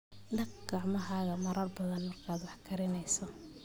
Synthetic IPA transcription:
nɐɡɡ̥ɑʕmɐɦaːɣɐmɐɾɐrbɐðɐnmɐrkʰaːd̪wɑħkʰɐɾɪnɛjsɔ

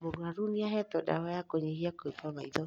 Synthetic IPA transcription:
moɡwaɾuniaɦɛtɔda̰hɔjakoɲehiakoepɔmaiðɔ

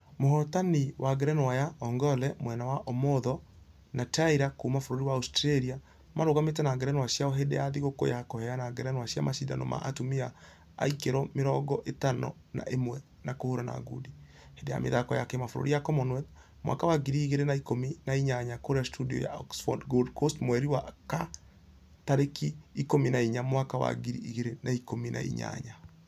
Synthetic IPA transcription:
mohɔtaniwaɡɛɾɛnwajaɔŋɡɔlɛmwɛnawaʔɔmoðɔ | nataiɾakumafoɾoɾiwaustɾɛɾia | maɾoɣametɛnaɡɛɾɛnwaɕjaɔɦedɛjaðiɣoko̰jakohɛanaɡɛɾɛnwaɕja̰maʃida̰nɔ̰ma̰ʔatumia̰ː | ikeɾɔmeɾɔɡɔʔetanɔ̰ | na̰ʔemwɛ | nakohoɾana̰ɡṵdi | hedɛja̰mḛðakɔjakɛmafoɾo̰ɾijakɔmɔnwɛð | mwa̰kawaɡiɾiiɣeɾenaikominaiɲaɲakoɾastʰudiɔ̰ja̰ɔ̰ksfɔ̰dɡodkostmwɛɾiwaka | taɾekiːkominaiɲamwakawa̰ɡiɾiiɣeɾenaikominʔa̰ḭɲa̰ɲa

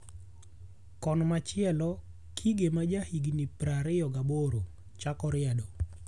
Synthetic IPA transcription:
kɔnmat͡ʃɪɛlɔ | kʰiɡemad͡ʒahiɡnipɾaɾɪjɔɡaboɾo | t͡ʃakɔɾɪadɔ

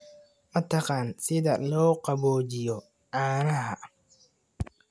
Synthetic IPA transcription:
mɐt̪ʰɐqɑːnsɪðɐlɔːqɑβɔːt͡ʃɪjɔ | ʕɑːnɐɦɐ

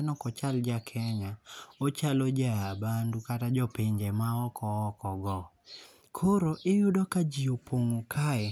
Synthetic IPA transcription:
nɔkɔt͡ʃald͡ʒakʰɛɲaot͡ʃalod͡ʒaːbandukatad͡ʒopeɲd͡ʒemaɔkɔɔkɔɡɔ | kʰoɾoʔɪjʊdɔkad͡ʒiopʰoŋokʰaɛ

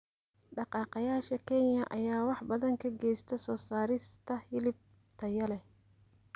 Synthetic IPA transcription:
ɖɑqɑːqɑjaːʃɐkʰɛnjɐʔɐjaːwɑħbɐðɐŋkʰɐɡɛjst̪ʰɐsɔːsaːɾɪst̪ʰɐhɪlɪb̚ | t̪ʰɐjɐlɛ

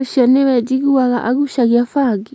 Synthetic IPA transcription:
ʃanɛβɛd͡ʒiɣiwaɣa̰ʔaɣuʃaɣjafaɡi

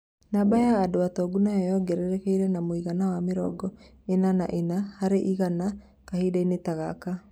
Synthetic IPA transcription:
nabajaːdoatɔːɡunaɔjɔɡɛɾɛɾɛkeiɾɛnamoiɣanawameɾɔ̰ɡɔ | enana̰ʔenahaɾeʔiɣana | kahidainetaɣaka

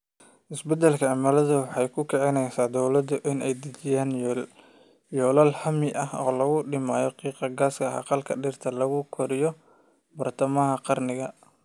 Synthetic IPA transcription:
ʔɪsbɛd̪ɛlkʰɐʕɑmɐlɐðʊwɑħɑjkʰʊkʰɛʕɛnɛjsaːd̪ɔwlɐd̪ʊʔɪnɛjd̪ɐt͡ʃɪjaːn | jɔːlɐlhɐmɪʔɐhɔ̰ːlɐɣʊɖɪmaːjɔqiːqɑɡaːskʰɐhɑ̰qɑlkʰɐɖɪrt̪ʰɐlɐɣʊkʰɔɾɪjɔ | bɐrt̪ʰɐmɐɦɐqɑrnɪɣɐ

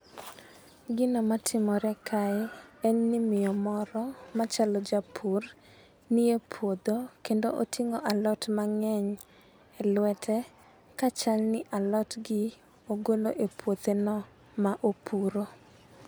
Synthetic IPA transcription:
ɡɪnɔmatʰɪmɔɾɛkʰaɛɛɲnɪmɪjɔmɔɾɔmat͡ʃalɔd͡ʒapʰur | niepʰwod̪okendoʔotʰiŋoʔalɔtmaŋɛɲ | ɛlwɛtʰɛ | kat͡ʃalnɪʔalɔtɡɪ | oɡoloʔepʰwot̪enɔ | maʔopʰuɾo

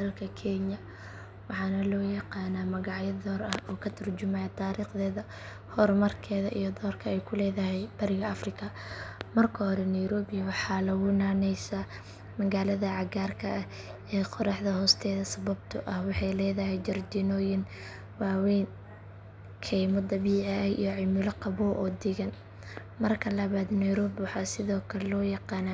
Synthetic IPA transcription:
d̪ɐɐlkʰɐkʰɛnjɐ | wɑħɑːnɐlɔːjɑqɑːnamɐɣɑʕjɐd̪ɔːrɐhɔːkʰɐt̪ʰɐrd͡ʒʊmɛjt̪ʰaːɾiːχðɛːðɐ | hɔrmɐrkʰɛːðɐʔijɔd̪ɔːrkʰɐɛjkʰʊlɛːðɐɦɛjb̥ɐɾɪɣɐɐfrɪkʰɐmɐrkʰɐɦɔɾɛnɛjɾɔːbɪjwɑħɑːlɐwʊnaːnɛjsɐ | mɐɣaːlɐðɐʕɑɣaːrkʰɐʔɐ | ɛːqʰɔɾɑħðɐhɔːst̪ʰɛːðɐsɐβɐb̚t̪ʰʊʔɐhwɑħɑjlɛːðɐɦɛjd͡ʒɐrd̪inɔːjɪn | wɑːwɛːn | kʰɛjmɔd̪ɐβiːʕɪʔɐjʔḭjɔʕɪmʊlɐqɑβɔːʔɔːd̪ɪɣɐn | mɐrkʰɐlɐβaːd̪nɛjɾɔːbwɑħɑːsɪðɔːkʰɐlɔːjɑqɑːna

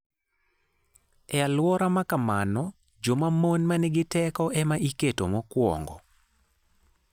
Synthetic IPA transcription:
ɛalwɔɾamakamanɔ | d͡ʒomamonmanɛɡɪtɛkɔʔɛmaʔiketomɔkwɔ̰ŋɡɔ

